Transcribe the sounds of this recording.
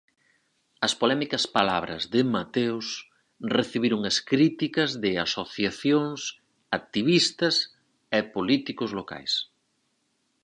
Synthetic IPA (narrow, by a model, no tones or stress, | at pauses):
ɐspolɛmikɐspala̰βɾɐ̰zðɪmat̪ews | reθiβiɾʊŋɐskɾit̪ikɐzðɪasoθjaθjoŋs | ak̚t̪iβ̞ist̪ɐs | epolit̪ikʊzloka̰js